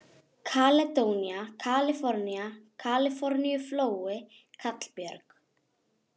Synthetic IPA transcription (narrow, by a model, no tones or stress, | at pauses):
kʰalɛt̪oːwnjakʰalɪfɔɾnjakʰalɪfɔɾnijʏfloːwɪ | kʰat̪l̥pjœɾk